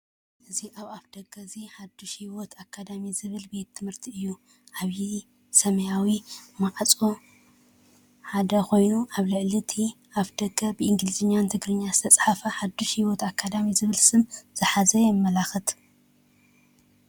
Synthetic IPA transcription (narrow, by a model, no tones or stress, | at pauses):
ʔɨziʔaβaβd̪̥ɐɡːɐziħad̪ːuʃhiwot̪ʰakʰːad̪amizɨβɨlbe̞t̪ʰːɨmhɨɾt̪ʰiɨjːu | ʔaβji | sɐmɐjawimaʕt͡sʼo | ħad̪ɐkʰo̞jnuʔaβlɨʕlit̪ʰiʔaβd̪̥ɐɡːɐbɨʔɨŋɡlɨzɨɲːant̪ʰɨɡɾɨɲːaz̥ɨt̪ʰɐt͡sʼħafɐħad̪uʃhiwot̪akʰːad̪amizɨβɨlsɨmz̥ɨħazɐjɛmːɐlaxɨt̪